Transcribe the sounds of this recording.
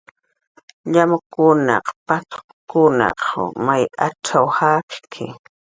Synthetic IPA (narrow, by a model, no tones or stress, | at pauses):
ʎamʊkʊnɑ̰qpat̪ʰ | kʊnɑ̰qmajaʈ͡ʂawhakkʰɪ